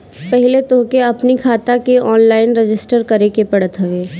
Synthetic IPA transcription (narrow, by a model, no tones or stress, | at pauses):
pɛɦɪlet̪oːkeɐpnikʰaːt̪akeɔːnlaːɪnɾɪd͡ʒɪsʈəɾkɐɾekepɐɽət̪ɦɐʋeː